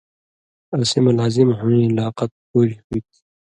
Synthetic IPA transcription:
ɐsimɐlaːzimɦuĩlaːqɐt̪̚puːɾihuit̪ʰi̥

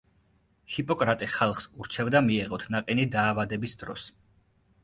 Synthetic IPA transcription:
hipʼɔkʼɾat̪ʼiχalˠχsuɾt͡ʃʰɛvd̪amiɛʁɔt̪ʰnaqʼinid̪aːvad̪ɛbisd̪̥ɾɔ̰s

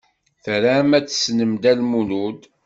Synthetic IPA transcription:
θɾamæt͡sːə̥snəmd̪ælmulud̪

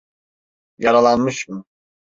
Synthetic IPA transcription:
jaɾalˠanmɯʃmɯ

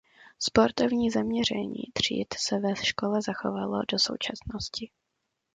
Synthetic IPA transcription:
spo̞ɾt̪ovɲiːzamɲɛr̝ɛ̰ɲḭːt̪r̝̥ḭːt̪sɛvɛʃko̞lɛzaxo̰valo̰do̞so̞̰wt͡ʃasnoscɪ

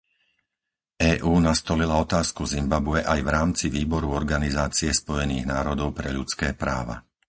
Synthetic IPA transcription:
ɛːʔuːnast̪ɔlilaɔt̪aːskuzimbabuɛʔajvɾaːmt͡siʋiːbɔɾuɔɾɡanizaːt͡siɛspɔjɛnḭːɣnaːɾɔd̪ɔʊpɾɛʎut͡skɛːpɾa̰ːʋa̰

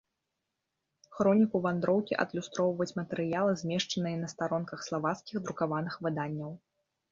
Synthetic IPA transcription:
xɾɔnʲikuvand̪ɾɔwkʲiʔɐ̰d̪lʲust̪ɾɔwvɐut͡sʲmɐt̪ɛɾɨjalˠɨzʲmʲɛʂt͡ʂɐnɨjɐnɐst̪aɾɔnkɐxslˠavat̪skʲiɣd̪ɾukavanɨxvɨd̪anʲːɐw

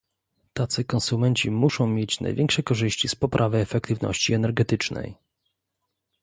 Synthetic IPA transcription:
t̪at̪sɘkɔnsumɛɲt͡ɕimuʂɔ̃w̃mʲjet͡ɕna̰jvʲɛŋkʂɛkɔʐɘɕt͡ɕispɔpɾʔavɘɛfɛk̚t̪ɘvnɔ̰ɕt͡ɕiɛnɛɾɡɛt̪ɘt͡ʂnɛ̰j

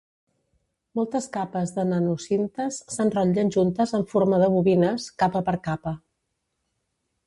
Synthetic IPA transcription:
mɔlˠt̪əskapəzðənənusint̪əsːanrəʎənʲʒunt̪əzəɱfoɾməðəβuβinəskapəpəɾkapə

